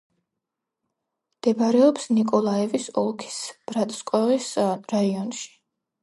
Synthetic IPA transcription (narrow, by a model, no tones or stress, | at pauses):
md̪̥ɛbɾɛɔpsnikʼɔlˠaɛvisɔlˠkʰi̥sb̥ɾat̪ʼskʼwɛʁisɾaiɔnʃi̥